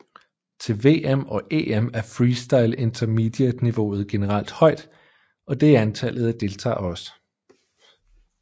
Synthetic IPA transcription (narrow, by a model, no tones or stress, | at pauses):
t͡sʰe̝lʋe̝̰ːemɒ̽ʔe̝̰ːemæɐfʁiːsd̥ɑ̈ɪle̝nt͡sʰɐmid̥je̥niʋo̝ð̞̩ˠɡ̥e̝nəʁɑl̰d̥hɒ̽ɪ̰d̥ | ɒ̽d̥e̝æɐænt͡sʰæl̰ð̩ˠæd̥e̝lt͡sʰɑ̰̈ːɒ̽sə̥